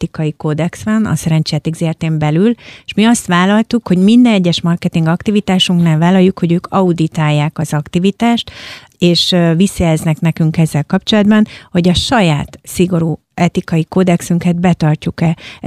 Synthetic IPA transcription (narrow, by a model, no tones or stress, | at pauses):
t̪ikɒjiko̞d̪ɛksʋɛnɒ̰sɛɾɛnt͡ʃiɛt̪iɡzeːrt̪eːmbɛlyleʃmiɒst̪ʋaːlɒlt̪ukho̞ɟmind̪ɛnɛɟːɛʃmɒrkɛt̪iŋɡɒkt̪ivit̪aːʃuŋknaːlvaːlːɒjːukho̞ɟøːkʰɒud̪it̪aːjːaːkɒzɒkt̪ivit̪aːʃt̪ | eːʃvisːɒjɛznɛknɛkyŋkɛzːɛlkɒpt͡ʃo̞lɒd̪bɒnho̞ɟɒʃɒjaːt̪siɡo̞ɾuː | ɛt̪ikɒjiko̞d̪ɛksyŋkɛd̪̚bɛt̪ɒrcukɛ